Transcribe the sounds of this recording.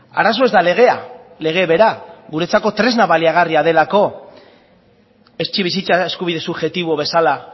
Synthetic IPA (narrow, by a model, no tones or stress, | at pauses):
a̰ɾas̬o̞e̞zd̪ale̞ɣ̞e̞a̰le̞ɣ̞e̞βe̞ɾaɣuɾe̞t͡sako̞t̪ɾe̞znaβaliaɣ̞ariað̞e̞lako̞ | e̞st͡ʃiβisit͡sae̞skuβiðe̞suβʝe̞t̪iβoβe̞sala